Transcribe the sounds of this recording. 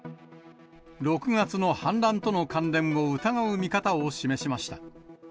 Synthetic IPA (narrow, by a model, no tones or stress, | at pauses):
ɾo̞kɯ̟ŋat͡sɨno̞hãnɾãnt̪o̞no̞kãnɾẽ̞ɰ̃o̞ɯt̪aɡaɯ̟mʲikat̪aoɕime̞ɕimaɕi̥t̪a